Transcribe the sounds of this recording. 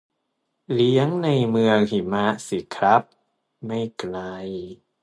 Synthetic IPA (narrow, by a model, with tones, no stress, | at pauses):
li˦˥əŋna˧jmɯ˧əŋhi˨˩˦ma˦˥si˨˩kʰɾa˦˥p̚ | ma˥˩jkla˧j